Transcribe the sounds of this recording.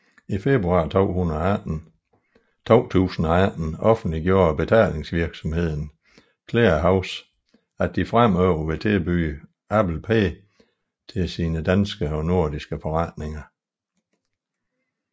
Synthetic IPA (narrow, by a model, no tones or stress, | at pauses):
ife̝b̥ʁuɑ̈ːt͡sʰo̰ːhunˠ | t͡sʰo̰ːt͡sʰṵːsn̩ææd̥n̩ɒ̽fn̩d̥liɡ̥jo̝ːɐb̥e̝t͡sʰɛ̰ːl̰e̝ŋsʋiɐɡ̥sɒ̽mhe̝ð̞̰ˠn̩ | kʰlḛːɐɦɑ̈ʊs | æd̥ːifʁam̰œʊ̰ɐʋe̝t͡sʰe̝lb̥y̰ː | æb̥l̩pʰe̝̰ː | t͡sʰe̝lsiːnəd̥ænsɡ̥əɒ̽no̝ɐ̰d̥isɡ̥əfɒ̽ʁɑd̥ne̝ŋɐ